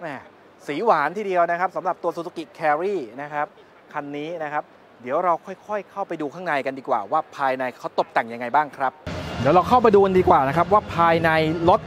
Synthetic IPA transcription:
ʔaː˧˩ | siː˩˦waː˩˦nt̪ʰiː˥˩di˧əwna˦˥kʰɾa˦˥p̚sa˩˦mɾa˨˩p̚t̪u˧ɐsu˨˩˧ki˨˩kʰɛː˧ɾiː˥˩na˦˥kʰɾa˦˥p̚ | kʰa˧nːiː˦˥na˦˥kʰa˦˥p̚ | di˩˦əwɾa˧wkʰɔ˥˩jkʰɔ˥˩jkʰa˥˩wpa˧jduː˧kʰaː˥˩ŋnaː˧jka˧ndiː˧kwa̰ː˨˩waː˥˩pʰaː˧jna˧jkʰa˦˥wt̪o˨˩p̚t̪a˨˩ŋja˧ŋːa˧jbaː˥˩ŋkʰɾa˦˥p̚di˩˦wɾa˧wkʰa˥˩wp̬a˧jduː˧ka˧ndiː˧kwaː˨˩na˦˥kʰɾa˦˥p̬̚waː˥˩pʰaː˧jna˧jlo˦˥t̪̚

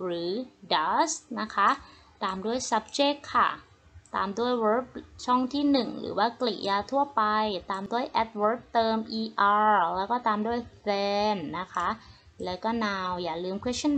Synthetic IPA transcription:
ɾɯː˩˦da˦˥sna˦˥kʰa˦˥ʔ | t̪aː˧mdu˥˩əjsa˦˥p̚t͡ɕe˦˥kʰːa˥˩ | t̪a̰ː˧mdu˥˩əjwɤː˦˥p̚t͡ɕʰɔ˥˩ŋt̪ʰiː˥˩nɯ˨˩ŋɾɯ̰ː˩˦waː˥˩klḭ˨˩ja˧t̪ʰu˥˩ɐpa˧jt̪aː˧mdu˥˩əjʔɛ˦˩t̪̚wɤː˦˥p̚t̪ɤː˧mʔiː˧ʔaː˧lɛ˦˥wkɔː˥˩t̪aː˧mdu˥˩əjfɛː˧nːa˦˥kʰa˦˥ʔ | lɛː˦˥wkɔː˥˩naː˧wjaː˨˩lɯː˧mkʰwe˦˥t͡ɕʰːa˥˨

